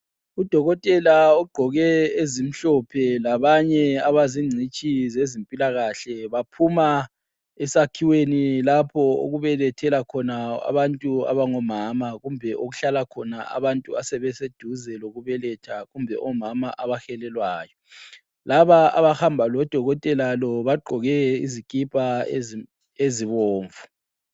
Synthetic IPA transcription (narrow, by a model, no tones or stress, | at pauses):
ud̥ʱɔɣɔtʼɛlaɔɡ͡ǃʱɔɣɛezim̩ɬɔpʰɛlaβaɲɛaβaziŋ͡ǀʱit͡ʃʼizezimpʼilaɣaɬɛβapʰuma | ɛsakʰiwenilapʰɔo̰ɣuβɛlɛtʰɛlakʰɔnaa̰βantʼua̰βaŋɔmaːmaɣumbʱɛʔoɣuɬalakʰɔnaa̰βantʼuasɛβɛsed̥ʱuzɛloɣuβɛlɛtʰaɣumbʱɛ̰ʔɔmamaʔaβaxɛlɛlwaːjɔ | laβaa̰βahambʱalɔd̥ʱɔɣɔtʼɛlalɔβaɡ͡ǃʱɔɣɛizikʼipʼa | eziβɔːɱvu̥